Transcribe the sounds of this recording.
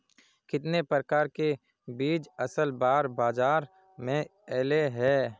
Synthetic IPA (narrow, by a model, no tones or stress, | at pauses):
kɪt̪nepɾəɾəkaːɾke | biːd͡ʒɐsəlbaːɾbaːzaːɾ | mẽɛːleɦɛː